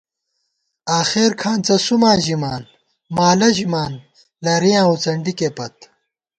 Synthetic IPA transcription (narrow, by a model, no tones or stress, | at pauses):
aːxeːɾkʰaːnt͡sɐsumãːʑimaːn | maːlɐʑimaːn | lɐɾijãːwt͡sɐɳɖikeːpɐt̪̚